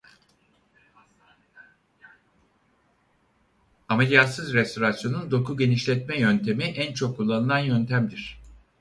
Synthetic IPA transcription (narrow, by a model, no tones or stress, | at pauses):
amelʲijat̪sɯzɾɛst̪ʰo̞ɾasjo̞nund̪o̞kʰuɟe̞niʃlʲɛt̪mɛjønt̪ʰe̞miʔænt͡ʃʰo̞kʰːulˠːanɯlˠanjønt̪ʰæmd̪iɾ̥